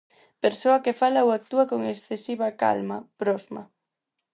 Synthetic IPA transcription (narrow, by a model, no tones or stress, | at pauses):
peɾsoakefalaowak̚t̪uakoŋesθesiβaka̰lmapɾɔzma̰